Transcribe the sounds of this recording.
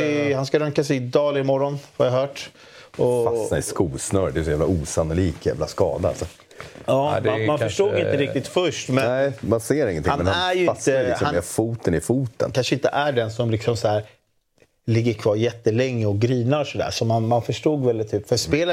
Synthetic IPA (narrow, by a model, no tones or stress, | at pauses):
ɪhanskaɾœŋkasɛjɪd̪ɑːlɪmɔɾɔnhaɾjaɦœːʈ | ɔsnaɪskuːsnœɾd̪ɛjsɔjæːvla̰ʔuːsanʊliːkjæ̰ːvlaskɑ̰ːd̪aa̰sɔ | ʔɑːd̪amanœʂuːɡɪnt̪əɾɪkt̪ɪt̪fœʂʈmɛɛmanseːɾɪ̃ŋːənt̪ɪanmɛnhaæɾjɪəhanmɛfuːt̪ənɪfuːt̪ə̰nkʰanʂəɪnt̪ə̰ʔæɖɛnsɔmlɪksɔmsæːɾ | lɪɡːəɾkʰvɑːɾjɛt̪ːəlɛŋːəɔɡɾiːnaɾɔsɔd̪æ̰ːʂɔmanmanfœʂʈuːɡvɛlɪt̪ʰːyːpfœspeːlə